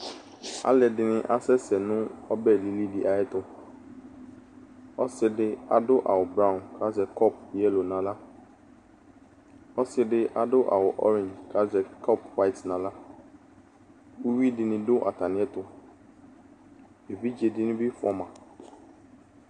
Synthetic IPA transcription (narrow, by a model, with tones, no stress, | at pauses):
a̰˦lɛ˨dɪ˨nɪ̃˦ʔa˦sɛ˦sɛ˨nʊ̃˦ɔ˦bɛ˦˨li˨li˦dɪ˨ʔa˨jɛ˦tʊ˦ | ɔ˦sɪ˦dɪ˦a˨dʊ˦ʔa̰˨wʊ˨bɾã˦˨nkʰa˦zɛ˨kʰɔ˦p̚ɛ˦lo˨nã˨la˦ | ɔ˦sɪ˦dɪ˦ʔa˦dʊ˦ʔa̰˨wʊ˨ʔɔ̰˦ɾɪ̃˨nd͡ʒkʰa˦zɛ˨kʰɔ˦˨pwa˦ɪ˨tnã˨la˦ | u˦wi˦dɪ˨nɪ̃˦dʊ˦ʔa̰˨ta˨nɪ̃˨˦ɛ˦tʊ˨ | e˨vi˦d͡ʒe˨dɪ˦nɪ̃˦bɪ˦fʊ˦ɔ˦mã˨